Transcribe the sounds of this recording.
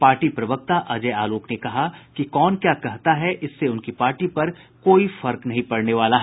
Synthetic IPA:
paːɾʈipɾɐʋək̚t̪aʔɐd͡ʒɛaːloːknekɐɦakikɔːnkjaːkɐɦt̪aɦɛʔɪsːeʊnkipaːɾʈipɐɾ | koːifɐɾknɐɦĩpɐɽneʋaːlaɦɛ

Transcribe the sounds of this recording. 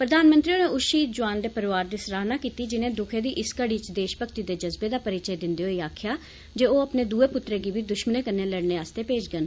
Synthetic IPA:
pɾəd̪aːnmə̃nt̪ɾiːoːneːʊʃiːd̪d͡ʒʊaːnd̪eːpəɾɪʋaːɾd̪iːsɾaːɦnaːkiːt̪iːd͡ʒɪnẽːd̪ʊkʰeːd̪iːʔɪskəɽiːt͡ʃd̪eːʃbəkʰt̪iːd̪eːd͡ʒəzbeːd̪aːpəɾɪt͡ʃəeːd̪ɪnd̪eːɦoːiːaːkʰjaː | d͡ʒeːoːəpneːd̪uːeːpʊt̪ɾeːɡiːʋiːd̪ʊʃməneːkənːeːləɽneːaːst̪eːpeːd͡ʒɡən

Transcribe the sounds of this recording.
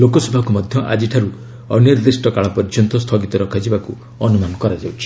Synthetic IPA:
lokɔsɔbʱakumɔd̪ʱjɔʔa̰d͡ʒiʈʰaɾu | ɔnjɔɾd̪esʈɔkaɭapɔɾid͡ʒɔnt̪ɔst̪ʰɔɡit̪ɔɾɔkʰad͡ʒʰibaku | ɔnumanɔkɔɾad͡ʒawt͡ʃʰi̥

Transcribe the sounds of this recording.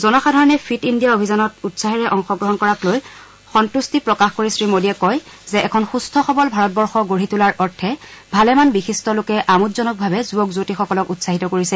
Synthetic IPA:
zɔnɔxadʱaɹɔnɛpʰitindijaobʱizanɔtutsaɦiɹɛʔɔŋxɔɡɹɔɦɔnkɔɹakloj | xɔntustipɹɔkaxkoɹisɹimodiɛkɔj | zɛɛkʰɔnxustʰɔxɔbɔlbʱaɹɔt̚bɔɹxɔɡoɹitulaɹʔɔɹtʰɛbʱalɛmanbixistɔlokɛʔamutzɔnɔk̚bʱabɛzuɔkzotixɔkɔlɔkutsaɦitɔkoɹisɛ

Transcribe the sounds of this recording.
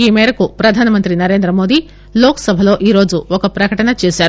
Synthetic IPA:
imeɾɐkupɾɐd̪ʱaːnɐmənt̪ɾinɐɾeːnd̪ɾəmoːd̪i | loːksɐbʱɐloʔiɾoːd͡zuokɐpɾɐkəʈɐnɐt͡ʃisjaɾ

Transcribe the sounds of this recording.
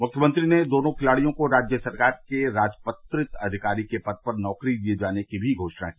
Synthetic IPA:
mʊkʰjəmə̃nt̪ɾined̪oːnõkʰɪlaːɽijõkoɾaːd͡ʒjəsɐɾkaːɾkeɾaːd͡ʒpət̪ɾɪt̪ɐd̪ʱɪkaːɾikepɐd̪̚pɐɾnɔːkɾid̪ied͡ʒaːnekibʱiɡʱoːʃna̰kiː

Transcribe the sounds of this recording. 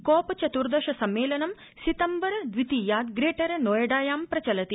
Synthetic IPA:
koːpɐt͡ʃɐt̪uɾd̪ɐʃɐsɐmːeːlɐnɐm | sit̪ɐmbɐɾɐd̪ʋit̪iːjaːd̪ɡɾeːʈɐɾɐnoːjɐɖaːjaːmpɾɐt͡ʃɐlɐt̪i

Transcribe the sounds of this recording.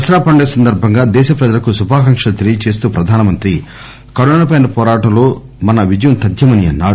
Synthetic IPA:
ɐsɾaːpɐɳɖeːsɐnd̪ɐɾbʱɐŋɡaːd̪ɛːʃɐpɾɛd͡ʒɐlɐkusubʱaːkɐŋʂɐɐt̪iɾijɐt͡ʃe̞ːst̪uːpɾɐd̪ʱaːnɐmɐnt̪ɾi | kɐɾoːnɐpɐjnɐpɔːɾaːʈɐmlo̞ː | mɐnɐʋid͡ʒɐjɐmt̪ɐd̪ʱjɐmɐniɐnːa̰ːɽu

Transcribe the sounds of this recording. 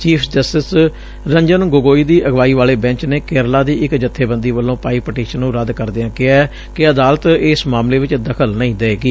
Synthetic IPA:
t͡ʃiːpʰd͡ʒəsʈɪs | ɾə̃ɲd͡ʒənɡoɡoːiːd̪iːʔəɡʋaːiːʋaːleːbɛ̃ɲt͡ʃneːkeːɾlaːd̪iːɪkd͡ʒət̪ʰːeːbə̃nd̪iːʋəlːõːpaːiːpəʈiːʃənːũːɾəd̪kəɾd̪eãːkɪaːɛ | kɪəd̪aːlət̪ɪsmaːmleːʋɪt͡ʃd̪əkʰəlnəĩːd̪eeːɡiː

